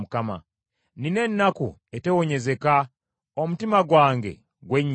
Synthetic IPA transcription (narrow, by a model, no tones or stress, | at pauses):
mukama̰ | nine̞nːakṵetewo̞ɲe̞ze̞ka | omutimaɡwaːŋɡe̞̰ | ɡwe̞ɲː